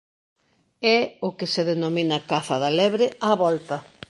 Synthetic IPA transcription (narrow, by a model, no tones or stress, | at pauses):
ɛʊkeseðenominakaθɐðalɛβɾeaβɔlt̪ɐ